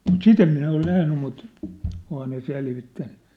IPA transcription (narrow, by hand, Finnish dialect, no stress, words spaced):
mut sit em minæ ol næhny mut ohɑː ne selʋitːænːy